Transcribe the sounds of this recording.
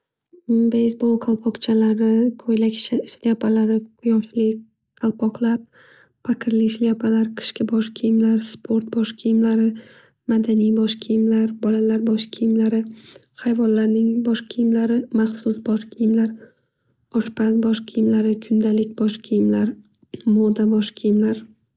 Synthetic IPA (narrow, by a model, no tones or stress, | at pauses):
bejsbolˠqʰalˠpʰɒqt͡ʃʰalaɾɪkʰojlakʲʃʃljapʰalaɾɪqʰʊjɒʃlɪ | qʰalˠpʰɒqlˠaɾ | pʰakʰʲɪɾlɪʃlijapʰalaɾqʰɨ̥ʃkʲɪbɒʃkʲʰijɪmlaɾspʰo̞ɾt̪̚bɒʃkʰʲijɪmlaɾɪ | mad̪anijbɒʃkʲʰijɪmlaɾbɒlalaɾbɒʃkʲʰijɪmlaɾɪ | hajvɒnlaɾnɪŋbɒʃkʲʰijɪmlaɾɪmaχsʊsbɒʃkʲʰijɪmlaɾ | ɒʃpʰanbɒʃkʲʰijɪmlaɾɪkʰʊnd̪alɪk̚ʲbɒʃkʲʰijɪmlaɾ | mɒd̪abɒʃkʲʰijɪmlaɾ